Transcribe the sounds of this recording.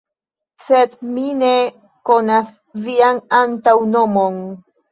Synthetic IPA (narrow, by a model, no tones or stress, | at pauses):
sed̪mine̞ | ko̞nas | vianantawno̞mo̞n